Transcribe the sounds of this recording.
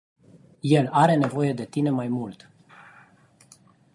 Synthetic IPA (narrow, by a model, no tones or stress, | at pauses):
je̞laɾe̞ne̞vo̞je̞d̪e̞t̪ine̞majmult̪